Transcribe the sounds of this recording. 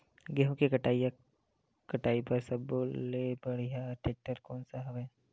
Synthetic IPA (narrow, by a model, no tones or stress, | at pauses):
ɡeɦmkekɐʈaːia | kɐʈaːipɐɾsɐbolebəɽijaʈeːk̚ʈːəɾkɔːnsaɦɐʋɛ